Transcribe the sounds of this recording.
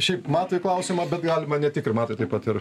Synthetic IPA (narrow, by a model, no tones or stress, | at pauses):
ʃʲɛɪpmɑːt̪ʋɐɪklˠɐʊsʲɪmɐbʲɛt̪ɡɑːlʲɪmɐnʲɛt̪ʲɪkɾʲɪmɑːt̪ʋɐɪt̪ɐɪpɐt̪ɪɾ